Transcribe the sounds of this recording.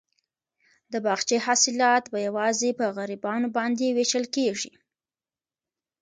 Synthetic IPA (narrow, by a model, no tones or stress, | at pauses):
d̪əbɑɣt͡ʃehɑsɪlɑt̪bajawɑzepəɣaɾibɑnobɑnd̪eweʃəlkeʐḭ